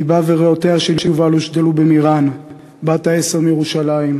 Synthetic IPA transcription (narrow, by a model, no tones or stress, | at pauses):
ibaveʁeot̪eaʃelʃeuvaloʃd̪elubemiʁan | bat̪aeseʁmijeʁuʃalaim